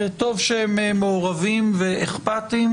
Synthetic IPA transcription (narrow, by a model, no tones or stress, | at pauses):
et̪o̞vʃehememeoʁavimveeχpat̪im